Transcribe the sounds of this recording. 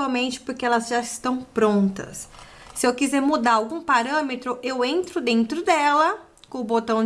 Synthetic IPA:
awmẽnt͡ʃɪ̥poɾkɪɛlɐzʒaɪst̪ɐ̃w̃pɾõnt̪ɐ̰sː | ɪewkizɛɾmud̪aɾawɡũpaɾɐ̃met̪ɾʊʔewẽnt̪ɾʊd̪ẽnt̪ɾʊd̪ɛlɐ | kõʊbot̪ɐ̃w̃

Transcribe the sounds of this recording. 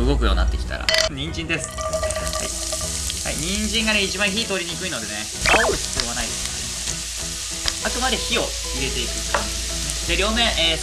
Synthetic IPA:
ɯ̟ɡo̞k̬ɯ̟jo̞ːnat̪ːe̞kʲi̥t̪a̰ɾa̰ɲ̟ĩɲd͡ʑĩnd̪e̞sɨ̥ha̰i | ha̰ḭɲ̟ĩɲd͡ʑĩŋɡane̞it͡ɕibãɰ̃çiːt̪o̞ːɾʲiɲ̟ikɯ̟ino̞d̪e̞ne | ak̪oɕɨ̥t͡sɨjo̞βanaid̪e̞ska̰ | akɯ̟mad̪e̞çio̞ | iɾe̞t̪e̞ikɯ̟ | d̪eɾʲo̞ːmẽʔː

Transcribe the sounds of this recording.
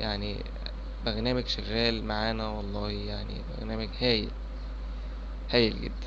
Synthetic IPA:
jaʕni | beɾnæːmæɡʃæɣæːlmaʕaːnæwɑlˤːɑːhijaʕnḭbḛɾnæːmæɡhæːjḛl | hæːjelɡḛd̪ːæn

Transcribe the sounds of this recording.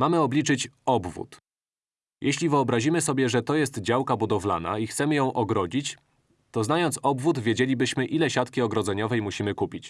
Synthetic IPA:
mamɘɔbʲlʲit͡ʂɘt͡ɕɔbvṵt̪ | jʔɛɕlʲivɘɔbɾaʑimɘsɔbʲjɛʐɛt̪ɔjɛst̪d͡ʑawkabud̪ɔvla̰na̰ixt̪sɛmɘjɔ̃w̃ʔɔɡɾɔd͡ʑit͡ɕ | t̪ɔznajɔnt̪sɔbvut̪vʲjed͡ʑelʲibɘɕmɘʔilɛɕat̪kʲiɔɡɾɔd̪zɛɲɔvɛjmuɕimɘkupʲit͡ɕ

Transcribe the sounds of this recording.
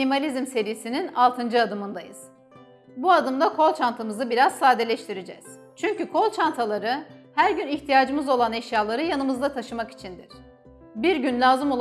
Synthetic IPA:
imalʲizmse̞ɾijisininalˠt̪ʰɯnd͡ʒɯad̪ɯmɯnd̪ajɯ̰z̥ | buad̪ɯmd̪akʰo̞lˠt͡ʃʰant̪ʰɯmɯzɯbiɾaz̥saːd̪elʲɛʃt̪ʰiɾed͡ʒɛ̰z̥ | t͡ʃʰyɲcykʰo̞lˠt͡ʃʰant̪ʰalˠaɾɯhæɾɟyniçt̪ʰijaːd͡ʒɯmɯzo̞lˠanɛʃjaːlˠaɾɯjanɯmɯzd̪at̪ʰaʃɯmaki̥t͡ʃʰind̪iɾ̥ | biɾɟynlʲaːzɯmo̞lˠ

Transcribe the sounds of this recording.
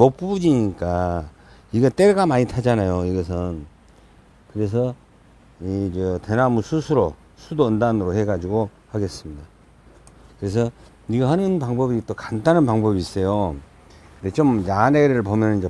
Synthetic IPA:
mop̚p͈uud͡ʑiɲik͈a | iɡʌt͈e̞ɾɡamaɲitʰad͡ʑanajoiɡʌs̬ʰɯn | kɯɾe̞s̬ʰʌ | id͡ʑʌte̞namusʰusʰuɾo | sʰudoːndanɯɾohe̞ɡad͡ʑiɡo | haɡe̞s͈ɯmɲida | kɯɾe̞s̬ʰʌ | niɡahanɯnpaŋbʌbit͈okantanɯnpaŋbʌbiːs͈ʌjo | kɯndet͡ɕomjaneɾɯɭpomjʌnɯnid͡ʑe

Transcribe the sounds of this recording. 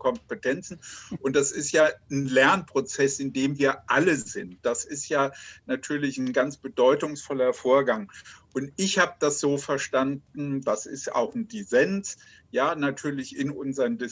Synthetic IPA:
kʰɔmpətʰɛnt͡sn̩ʔʊnt̚d̥asɪstjaːn̩lɛɐnpʁ̥ot͡sɛsɪndeːmviːɐʔaləzɪnt̚d̥asɪstjaːnatʰyːɐlɪçn̩ɡant͡sb̥ədɔʏtʊŋsfɔlɐfoːɐɡaŋʔʊntɪçhaːbəd̥asz̥oːfɛɐʃtandn̩dasɪ̰sta̰ʊxn̩dizɛns | jaːnatʰyːɐlɪçɪnʔʊnzəʁəndɪ

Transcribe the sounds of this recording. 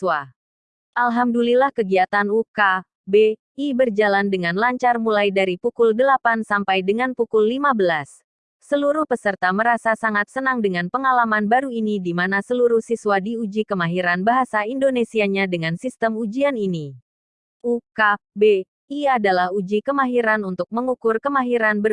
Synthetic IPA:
wa | ʔalɦamdulilahkəɡiat̪anuka | be | ibərd͡ʒalandəŋanlaɲt͡ʃarmulajdaɾipukʊldəlapansampajdəŋanpukulːimabəlas | səluɾuhpəsərt̪aməɾasasaŋat̪̚sənaŋdəŋanpəŋalamanbaɾuinidimanasəluɾuhsiswadiud͡ʒikəmaɦiɾanbaɦasaindonesiaɲadəŋansist̪əmud͡ʒianini | ʔukabe | iadalahud͡ʒikəmaɦiɾanunt̪ʊk̚məŋukʊrkəmaɦiɾanbə

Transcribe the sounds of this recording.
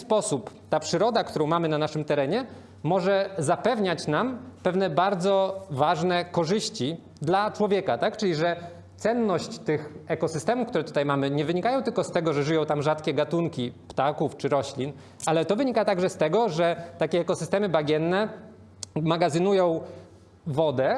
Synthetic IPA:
spɔsupt̪apʂɘɾɔd̪akt̪uɾɔ̃w̃mamɘnanaʂɘmt̪ɛɾɛɲɛ | mɔʐɛzapɛvɲat͡ɕnampɛvnɛbaɾd̪zɔvaʐnɛkɔʐɘɕt͡ɕi | d̪lat͡ʂwɔvʲjɛkat̪akt͡ʂɘlʲiʐɛ | t̪sɛnːɔɕt͡ɕt̪ɘxɛkɔsɨst̪ɛmufkt̪uɾɛt̪u̥t̪ajmamɘɲɛvɘɲikajɔ̃w̃t̪ɘlkɔst̪ɛɡɔʐɛʐɘjɔ̃w̃t̪amʐat̪kʲɛɡat̪uŋkʲipt̪akuft͡ʂɘɾɔɕlʲin | alɛt̪ɔvɘɲikat̪aɡʐɛst̪ɛɡɔʐɛt̪akʲɛːkɔsɨst̪ɛmɘbaɡʲjɛnːɛ | maɡazɘnujɔ̃w̃ | vɔd̪ɛ

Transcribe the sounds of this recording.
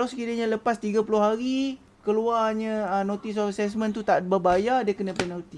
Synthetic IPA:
alawsəkiɾəɲãləpast̪iɡapulʊɦaɾi | kəluarɲə̃ənõt̪is̬ɔfasɛs̬mə̃nt̪ut̪aʔbəbajadəkənə̃pɛnalt̪i

